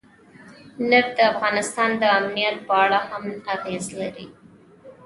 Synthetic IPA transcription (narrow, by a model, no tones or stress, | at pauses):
nəɾd̪əafɣɑnɪst̪ɑnd̪əamnijat̪̚bɑɭahamaɣezlaɾḭ